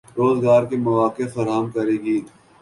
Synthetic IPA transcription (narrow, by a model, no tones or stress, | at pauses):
ɾoːzɡaːɾkemɐʋaːkefɐɾaːmkɐɾeːɡiː